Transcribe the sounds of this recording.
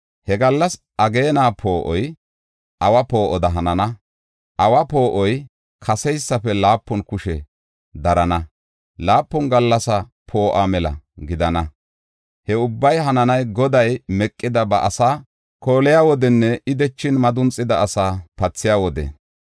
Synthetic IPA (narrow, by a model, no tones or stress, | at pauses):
hɛɡɐlːɐs | ʔɐɡe̞ːnaːpʰo̞ːʔɔj | ʔɐwɐpo̞ːʔɔd̪ɐɦɐnɐnɐ | ʔɐwɐpo̞ːʔɔj | kʰɐsɛjsːɐfɛlaːpːʊnkʊʃɛ | d̪ɐɾɐnɐ | laːpːʊnɡɐlːɐsɐ | pʰo̞ːʔamɛlɐ̰ɡɪd̪ɐnɐ | hɛʊbːɐjɦɐnɐnɐjɡɔd̪ɐjmɛkʼːɪd̪ɐbɐʔɐsaː | ko̞ːlɪjaːwɔd̪ɛnːɛɪd̪ɛt͡ʃːɪnmɐd̪ʊnt͡sʼːɪd̪ɐːsaːpɐt͡sːɪjaːwɔd̪ɛ̰